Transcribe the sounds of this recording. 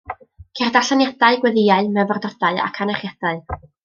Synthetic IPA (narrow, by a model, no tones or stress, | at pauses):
kʰɛrdaɬanjad̥aɨɡwɛðɪaɨmɛvɔrdɔd̥aɨa̰kʰanaχjad̥aɨ